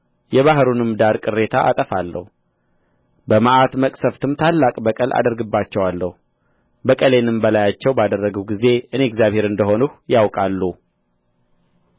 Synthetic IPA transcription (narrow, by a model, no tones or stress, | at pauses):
jɛβaɦɾunɨmd̪aɾkʼɨrːe̞t̪ʰaʔa̰t̪ʼəfalːə̰hu | bəmaʔat̪məkʼsəft̪ʰɨmt̪ʰalːakʼbəkʼəlʔa̰d̪əɾɡɨbːat͡ʃːɛwalːəhu | bəkʼəle̞nɨmbəlajat͡ʃːɛwbad̪ərːəɡəɡize̞ʔɨneɛɡzjaβhe̞ɾɨnd̪əho̞nuhjawkʼalːu